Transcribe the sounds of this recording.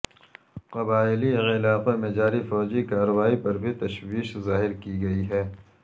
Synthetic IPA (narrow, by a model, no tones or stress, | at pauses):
qɐbaːɪliɐɣɪlaːqemẽd͡ʒaːɾifɔːd͡ʒikaːɾɐwaːipɐɾbʱit̪ɐʃwiːʃzaːɦɪɾkiɡɐiɦɛː